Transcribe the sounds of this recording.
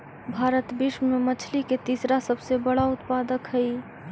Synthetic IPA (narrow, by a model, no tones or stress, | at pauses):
bʱaːɾət̪bɪʃəmemət͡ʃʰliket̪iːsɾasəbsebəɽaʊt̪paːd̪əkɦəi